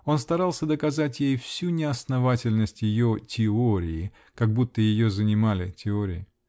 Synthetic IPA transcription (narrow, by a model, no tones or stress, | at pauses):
o̞nst̪ɐɾɑlˠsʲəd̪əkɐzatʲjejfsʲunʲɪɐsnɐvatʲɪlʲnəsʲtʲjɪjotʲɪoɾʲɪjɪ | kɐɡ̚but̪ːəjɪjo̞zənʲɪmalʲɪtʲɪoɾʲɪjɪ